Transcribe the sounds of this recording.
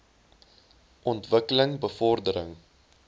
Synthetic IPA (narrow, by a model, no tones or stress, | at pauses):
ʔɔntvəkələŋbəfɔrdəɾə̰ŋ